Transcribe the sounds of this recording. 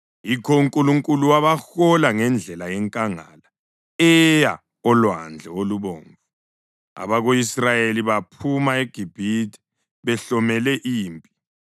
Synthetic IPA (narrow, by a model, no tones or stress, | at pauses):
jikʰɔuŋkʼuluŋkʼuluwaβaxɔlaŋɛnd͡ɮʱɛlajɛŋkʼaŋa̰la | ɛja | ɔlwand͡ɮʱɛoluβɔːɱvu | a̰βaɣoisrajeliβapʰumaeɡ̥ʱib̥ʱitʰɛ̥ | βɛɬɔmɛlɛʔiːmpʼi̥